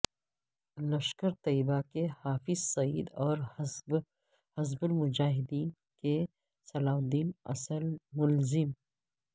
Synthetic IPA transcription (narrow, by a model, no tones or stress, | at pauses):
lɐʃkəɾt̪ɐibakehaːfɪzsɐiːd̪ɔːɾ | hɐzbʊlmʊd͡ʒaːɦɪd̪iːn | ke | sɐlaːd̪iːnɐ̰səlmʊlzɪm